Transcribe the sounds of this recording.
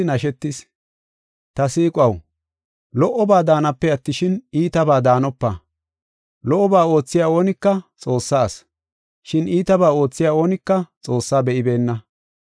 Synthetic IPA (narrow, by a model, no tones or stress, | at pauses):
nɐʃɛt̪ːɪs | t̪ɐsiːkʼɐw | lɔʔɔbaːd̪aːnɐpːɛɐt̪ːɪʃɪniːt̪ɐbaːd̪aːnɔpːɐ̰ | lɔʔɔbaːo̞ːt͡sːɪjaːo̞ːnɪkːɐt͡sʼo̞ːsːaːs | ʃɪniːt̪ɐbaːo̞ːt͡sːɪjaːo̞ːnɪkːɐt͡sʼo̞ːsːaːbɛʔɪbe̞ːnːɐ